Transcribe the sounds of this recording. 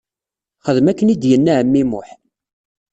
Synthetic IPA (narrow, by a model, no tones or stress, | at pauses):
χəðmækːənid̪jənːæʕəmːimʊħ